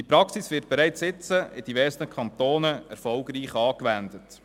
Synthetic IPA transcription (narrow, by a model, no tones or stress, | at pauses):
dipɾɑksisʋɪːɾt̚b̥ɛɾæɪt͡sɪt͡səɪd̥ivɛːɾsnəkʰχɑntoːnəɛ̰ɾfɔlɡɾiːχɑːkʋændət